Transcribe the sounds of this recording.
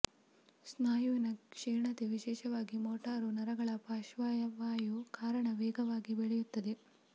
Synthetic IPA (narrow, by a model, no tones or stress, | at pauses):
snaːjuʋinɐkʂeːɳɐt̪eʋiʃɛːʃɐʋaːɡimoːʈaːɾunɐɾɐɡɐɭɐpaːʃʋaːjɐʋaːjukaːɾɐɳɐʋɛːɡɐʋaːɡibeɭɛjut̪ːɐd̪e̞